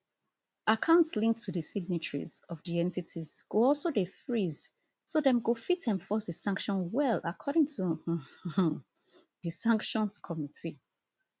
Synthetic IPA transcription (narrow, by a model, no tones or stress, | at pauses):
akʰãʊ̃ntslĩŋk̚tʰuðəsiɡ̚nit͡ʃəɹḭzɔvðiɛ̃ntitʰiz̥ɡ̥oɔlsodefɹiz | sodɛ̃mɡofitʰɛ̃nfɔsdəsãŋkʃɔ̃nwɛlakʰɔɾɪ̃ŋtʰu | ðɨsãŋkʃɔ̃nskʰɔmitʰi